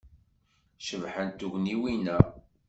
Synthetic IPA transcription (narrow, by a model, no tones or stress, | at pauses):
ʃəvħənt̪ːuʝniwinæ